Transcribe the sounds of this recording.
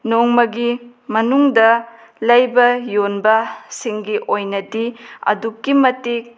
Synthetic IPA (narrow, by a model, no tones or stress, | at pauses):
noŋmɐɡimɐnuŋdɐ | lɐjbɐjonbɐsiŋɡiʔojnɐdiɐ̰dukːimɐtik̚